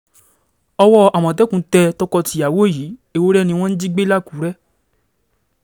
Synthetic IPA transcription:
ɔ˧wɔ˦a˨w̃ɔ̃˨t̬ɛ˨˦kũ˧˦tɛ˧tɔ˧kɔ˧ti˧˦a˨wo˦˨ji˨˦e˧˨wo˦ɾɛ˦˨nĩ˧w̃ɔ̃˦n̩˦d͡ʒi˦ɡ͡be˦la˦ku˨˦ɾɛ˦

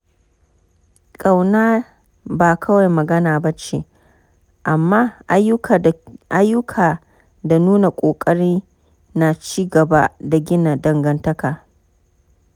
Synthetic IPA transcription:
kʼa˨wnaː˦ | baː˨kʰɐ˦wa˨jmɐ˨ɡɐ˦naː˨bɐ˦t͡ʃḛ˨ | ʔa˨mːaː˦ʊ˦˨ʔa˦jːʊ˦kʰaː˨ | da˨nuː˦na˨kʷʼoː˨kʼɐ˦ɽiː˦ | na˨t͡ʃiː˦ɡɐ˨ba˦da˨ɡʲɪ˦na˨dɐ˨ŋɡɐ˦ntɐ˦kaː˨

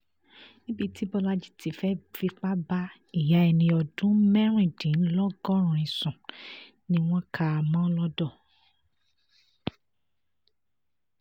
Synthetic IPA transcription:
nĩ˦bi˧ti˦bɔ˧la˦d͡ʒi̥˦tʰi˨fɛ˦fi˦k͡pa˦ba˦ | i˦˨ja˨˦ɛ˧˨nĩ˧ɔ˧dũ˨˦mɛ˦ɾ̃ĩ˦˨dĩ˨n̩˦lɔ˦ɡɔ˦ɾ̃ũ˨ĩ˨sũ˨ | nĩ˧w̃ɔ̃˦kʰa˦˨mã˦lɔ˦dɔ˦˨

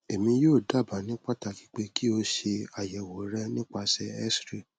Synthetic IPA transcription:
e˨mĩ˧joː˦˨da˦˨ba˨nĩ˨˦k͡pa˦ta˧ki̥˦k͡pe˧ki˦o˧ʃe˧a˨jɛ˨wo˨˦ɾɛ˦nĩ˦k͡pa˧sɛ˧ɛ˦sɾi˦˨

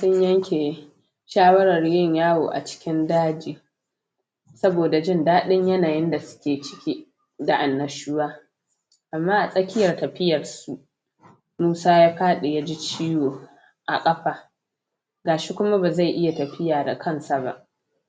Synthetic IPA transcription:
sʊ˦ɲjɐ˦ŋkʲʰeː˨ | ʃaː˦wɐ˦ɾɐ˨rjɪ˦˨ɲjaː˦woː˨ʔa̰˨t͡ʃɪ̥˦kʲɪ˦ndaː˦d͡ʒiː˨ | sɐ˦boː˨da˨d͡ʒɪ˦˨ndaː˦ɗɪ˦ɲjɐ˦naː˨jɪ˦nda˨sʊ̥˦kʲeː˨t͡ʃɪ̥˦kʲiː˦ | da˨ʔa˨nːɐ˨ʃuː˦waː˦ | ʔa˨mːaː˦ʔa˨sʼɐ˦kʲɪ˦jɐ˨rtɐ˨ɸɪ˦jɐ˨rsu˦ʔ | muː˦saː˦jaː˦ɸaː˦ɗe˨ja˦d͡ʒi˦t͡ʃiː˦joː˨ | ʔa̰˨kʼɐ˦ɸaː˨ | ɡaː˨ʃi˦kʷʊ˦ma˦baː˨za˦˨jʔɪ˦ja˨tɐ˨ɸɪ˦jaː˨da̰˨kʰɐ˦nsa˨ba̰˦˨ʔ

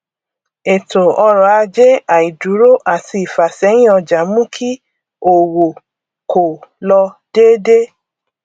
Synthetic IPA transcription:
e˨to˨ɔ˧ɾa˨a˧d͡ʒe˦a˨i˨du˨˦ɾo˦ʔa˦˨ti˧i˨fa˨sɛ˨˦j̃ĩ˦ɔ˧d͡ʒa˨mũ˦kʰi˦ | o˨wo˨ | kʰo˨lɔ˧d̥e˦de˦

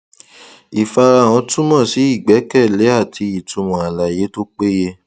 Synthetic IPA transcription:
i˨fa˧ɾa˧˨w̃ɔ̃˧tũ˦mɔ̃˦˨si˨˦i˦˨ɡ͡bɛ˨˦kɛ˦˨le˨˦a˦˨ti˧i˨tũ˧mɔ̃˨a˨la˨je˨˦to˦k͡pe˦je˦

